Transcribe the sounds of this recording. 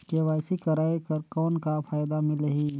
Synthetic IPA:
keʋaːjsikɐɾaːjkɐɾkɔːnkafʰaːjd̪amɪ̃ləɦiː

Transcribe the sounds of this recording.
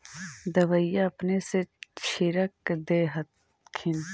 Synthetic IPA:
d̪ɐʋəijaɐpneset͡ʃʰiɾəkd̪eːɦɐt̪ | kʰin

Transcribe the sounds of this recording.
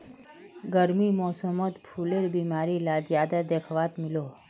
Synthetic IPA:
ɡəɾmimɔsəmət̪pʰuleɾbimaɾilad͡ʒjad̪ad̪ekʰʋat̪milo

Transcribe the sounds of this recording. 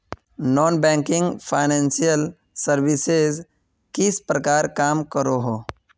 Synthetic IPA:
nɔːnbɛ̃ːŋkɪ̃ŋɡpʰaɪnɛ̃ːnsijəl | səɾʋɪsez | kɪspɾəkaːɾkaːmkəɾoɦoː

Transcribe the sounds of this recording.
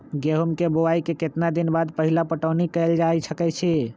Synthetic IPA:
ɡeɦumkebowaikeket̪nad̪inbad̪pəɦilapəʈənikəld͡ʒajsʰəkɛt͡ʃʰi

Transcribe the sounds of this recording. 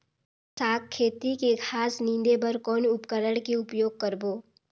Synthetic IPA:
saːkʰːeːt̪ikekʰaːsnĩnd̪ebəɾkɔːnʊpkəɾəɽkeʊpjoːɡ̚kəɾboː

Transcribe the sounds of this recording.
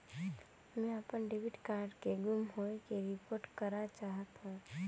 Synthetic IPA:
mɛ̃əpənɖebɪʈkaːɾɖkeɡʊmɦoekeɾɪpoːɾʈkəɾat͡ʃaːɦət̪ɦũː

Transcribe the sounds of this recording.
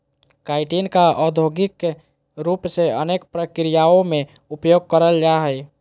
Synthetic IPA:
kaɪʈinkaʔəd̪ʱoɡɪk | ɾupseənekpɾəkɾijaõme | upjoɡ̚kəɾəld͡ʒaɦəj

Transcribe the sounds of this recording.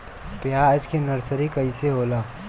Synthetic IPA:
pjaəd͡ʒkenəɾsəɾikəiseɦoːla

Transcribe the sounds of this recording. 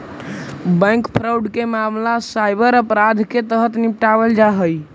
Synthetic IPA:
bə̃jŋkpʰɾawɖkemamlasajbəɾəpɾad̪ʱket̪əɦət̪nipʈabəld͡ʒaɦəj

